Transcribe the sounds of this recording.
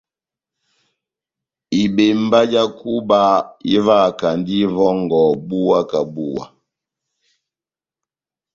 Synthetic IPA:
i˨be˨mba˦d͡ʒa˦ku˦ba˦i˦va˦˨ka˨ndi˦vɔ˦ŋɡɔ˨bu˦wa˦ka˨bu˦wa̰˨

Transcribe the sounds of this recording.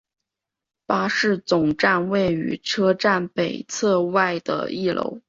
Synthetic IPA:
pa˥ʂɻ̩˥˩t͡sʊ˨˩ŋʈ͡ʂa˥˧nwe˥˩ɪy̰˨˧˥ʈ͡ʂʰɤ˥ʈ͡ʂa˥˩npe˨˩ɪt͡sʰɤ˥˧wa˥˩ɪd̪ə̰˩i˥˩lʔo̰˧˥ʊ

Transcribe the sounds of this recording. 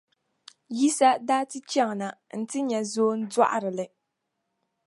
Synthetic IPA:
ji˦sa˦daː˦tɨ˦t͡ʃɛ˦ŋ˨na˨n̩˨tɨ˦ɲɛ˨zoː˦n̩˦dwa˦ʔa̰˨ɾɨ˨lɨ˨

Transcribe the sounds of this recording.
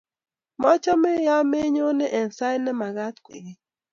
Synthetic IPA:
mɔ˦t͡ʃɔ˦me˦ja˦me˦ɲo˦nɛ˦ʔɛ˨nsa˦jnɛ˦ma˨ɣa˦t̪̚kwḛ˨ɣe˦

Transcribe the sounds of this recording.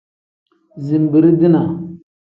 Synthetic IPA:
zi˨m˨bi˨ɾi˦di˦na˨

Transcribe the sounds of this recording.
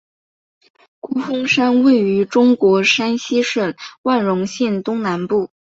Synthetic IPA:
ku˥fɤ˥ŋʂa˥nwe˥˩ɪy˧˥ʈ͡ʂʊ˥ŋkwɔ˧˥ʂa˥nɕi˥ʂə˥˩nwa˥˩nɻʊ˧˥ŋɕɛ˥˩nt̪ʊ˥ŋna˧˥npu˥˩

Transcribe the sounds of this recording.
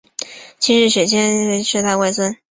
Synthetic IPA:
t͡ɕʰi˧˥ʂɻ̩˥˩ɕe˨˩t͡ɕjɛ˥n˧ʂɻ̩˥˧t̪a˥˧ɪwa˥˧ɪt͡swə˥n

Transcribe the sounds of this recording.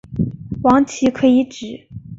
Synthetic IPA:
wɑ˧˥ŋt͡ɕʰi˧˥kʰɤ˧˥i˧˥ʈ͡ʂɻ̩˨˩˦

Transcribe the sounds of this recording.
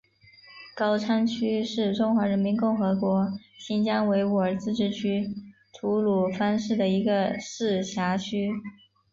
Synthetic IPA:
kɑ˥ʊʈ͡ʂʰa˥nt͡ɕʰy˥ʂɻ̩˥˩ʈ͡ʂʊ˥ŋxwa˧˥ɻə˧˥nmi˧˥nkʊ˥˩ŋxɤ˧˥kwɔ˧˥ɕi˥nt͡ɕjɑ˥ŋwe˧˥ɪu˧˩ə˞˨˩t͡sɹ̩˥˧ʈ͡ʂɻ̩˥˩t͡ɕʰy˥ | ʈ͡ʂʰu˧˥lu˨˩fa˥nʂɻ̩˥˩d̪ə˩i˧˥ɡə˧ʂɻ̩˥˩ɕja˧˥t͡ɕʰy˥

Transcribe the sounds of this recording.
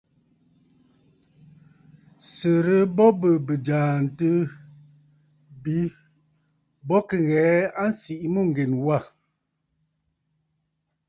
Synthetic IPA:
sə˨ɾə˦bɔ˦bə˨bə˨d͡ʒaː˨n̩˨tə˦ | bi˨˦ | bɔ˦kə˨ɣɛː˨˦a˦n˦si˨ʔmu˦˨ŋ̩˨ɡe˨nwa˦˨

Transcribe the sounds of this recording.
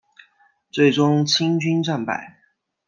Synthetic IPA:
t͡swe˥˩ɪʈ͡ʂʊ˥ŋt͡ɕʰi˥ŋt͡ɕy˥nʈ͡ʂa˥˩npa̰˨˩˦ɪ

